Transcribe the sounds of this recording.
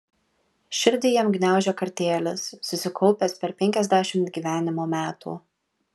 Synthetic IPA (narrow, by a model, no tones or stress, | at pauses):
ʃʲɪɾʲd̪ʲɪːjɛmɡnʲæˑʊʒʲoːkɐɾʲt̪ʲeːlʲɪsːʊsʲɪkʰɔʊpʲeːspʲɛɾpʲɛŋʲkʲɛzʲd̪ʲæːʃʲɪmt̪ɡʲiːʋʲæːnʲɪmoːmʲæːt̪ṵː